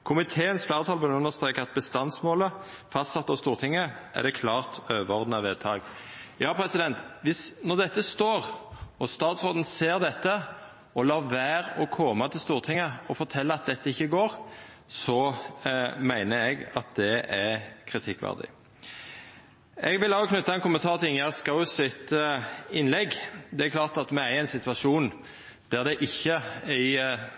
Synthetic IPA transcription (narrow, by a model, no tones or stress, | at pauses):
kʰʊmɪt̪ʰeːənsflæːɾət̪ʰɑːlbɪnʉnːəʁst̪ɾeːkəɑt̪̚bəst̪ɑnsmoːlə | fɑst̪sɑt̪ːɑʋst̪uːʁt̪ʰɪŋːəʔæ̰ʁd̪ɛkʰlɑːʁt̪øːʋəɔʁd̪n̩ɑʋeːd̪̚t̪ʰɑːɡjɑːpʰɾɛsɪd̪ɛnt̪ʋɪsnɔʁd̪ɛt̪ːəst̪oːʁɔst̪ɑːt̪sʁoːd̪n̩seːɾd̪ɛt̪ːə | ɔlɑːʋæːɾɔkʰɔmɑt̪ʰɪlst̪uːʁt̪ʰɪŋːəɔfɔɾt̪ʰɛlːəɑt̪̚d̪ɛt̪ːəɪçːəɡoːɾ | sɔ | mæɪnəɛɡɑt̪̚d̪ɛækʰɾɪt̪ʰɪkːʋæ̰ʁd̪ɪ̰ | ɛɡʋɪlɑlɔkʰnʏt̪ːɑɛnkʊmənt̪ʰɑːɾt̪ʰɪɪŋjæskɑʊsɪt̪ | ɪnlɛɡd̪ɛæɾkʰlɑːʁt̪ɑt̪mɛæɾɪæɪnsɪt̪ʋɑʂuːn | d̪̥æʁd̪ɛʔɪçːəæɪ